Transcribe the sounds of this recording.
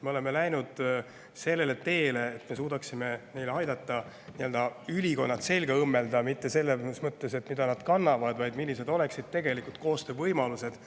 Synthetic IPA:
me̞o̞le̞melæjnud̪̥ | se̞lːe̞le̞t̪e̞ːle̞ːt̪ːme̞s̬uːd̪ɑksime̞ne̞jleɑjd̪ɑt̪ːˑɑ | niø̞ld̪̥ɑylʲiko̞nːɑt̪se̞lɡ̥ɑɯmːe̞ld̪ɑmit̪ːe̞se̞lːesmɤt̪ːe̞se̞t̪ːˑmid̪ɑnɑd̪̥kɑnːɑvɑd̪vɑjd̪milːise̞d̪o̞le̞ksid̪̥̚t̪e̞ɡe̞likult̪̚ko̞ːst̪ø̞ːvɤjmɑluse̞d̪̥

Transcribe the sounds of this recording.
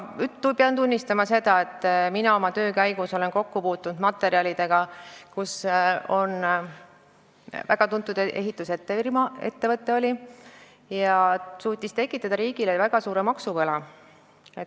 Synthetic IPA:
yt̪ːupeɑnt̪unʲːist̪ɑmɑse̞d̪ɑe̞t̪ːˑminɑo̞mɑt̪ø̞ːkæjɡ̥uso̞le̞nko̞kːupuːt̪ːˑunud̪mɑt̪ːˑe̞ɾiɑlid̪̥e̞ɡ̥ɑkuso̞n | væɡ̥ɑt̪unt̪ːˑud̪ee̞̰ɦit̪ːˑuse̞t̪ːˑeimɑe̞̰t̪ːe̞vɤt̪ˑːe̞o̞lʲi | jɑsuːt̪ʲːist̪e̞kːˑit̪ːˑɑd̪̥ɑɾiːɡ̥ilevæɡ̥ɑsuːɾe̞mɑksuvɤlɑ | et̪

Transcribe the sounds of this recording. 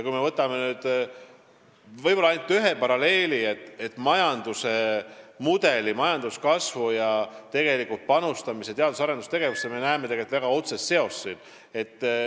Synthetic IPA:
jɑkujme̞vɤt̪ːˑɑme̞nyːd̪̥ | vɤjpo̞lːɑɑjnut̪ːyɦe̞pɑɾɑle̞ːlie̞t̪ːˑet̪ːˑmɑjɑnd̪usemud̪̥e̞limɑjɑnd̪̥uskɑsvujɑt̪e̞ɡe̞likult̪̚pɑnust̪ɑmiset̪e̞ɑd̪usɑɾe̞nd̪ust̪e̞ɡ̥e̞vusːeme̞næemet̪eɡet̪væɡ̥ɑo̞t̪sest̪se̞o̞sːid̥ | e̞t̪ːˑ

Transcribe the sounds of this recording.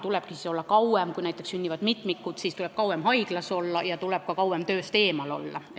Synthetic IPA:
t̪uleb̥kisiso̞lːɑkɑwemkujnæjt̪ːˑeksynʲːivɑd̪mit̪ːˑmikːut̪siːst̪ulɛb̥kɑuwemhɑjɡ̥lɑso̞lːɑjɑt̪ulɛp̚kɑkɑwemt̪øːst̪e̞ːmɑlo̞̰lːɑ̰

